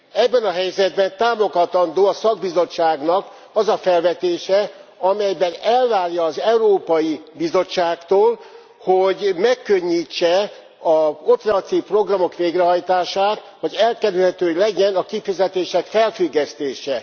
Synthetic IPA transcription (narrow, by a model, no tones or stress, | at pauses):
ɛbːɛnɒɦɛjzɛd̪bɛnt̪aːmo̞ɡɒt̪ɒnd̪oːɒsɒɡ̚bizo̞t͡ʃːaːɡnɒk | ɒzɒfɛlvɛt̪eːʃɛɒmɛjbɛnɛlvaːrjɒːzɛuɾoːpɒjibizo̞t͡ʃːaːkt̪oːl | hoɟmɛkːøɲːiːt͡ʃːɛ | ɒoprɛɒt̪iːfpro̞ɡrɒmo̞kʋeːɡrɛɦɒjt̪aːʃaːt̪ | hoɟɛlkɛɾylhɛt̪øːlɛɟɛnɒkifizɛt̪eːʃɛkfɛlfyɡːɛst̪eːʃɛ